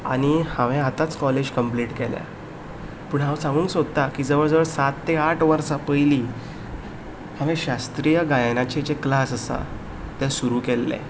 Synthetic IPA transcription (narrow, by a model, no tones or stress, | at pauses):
a̰ñihaʋɛ̃at̪at͡skɔled͡ʑkəmpliːʈkɛlja̰ | pəːɳɦãwsãŋɡuːnksod̪̚t̪akiːd͡zəʋəɽd͡zəʋəɭsat̪ːeaʈʰʋəɾsapəjliː | hãʋɛ̃ɕast̪ɾijəɡajnat͡ɕet͡ɕeklasəsa̰ | t̪ɛsuɾuːkɛlːɛ̰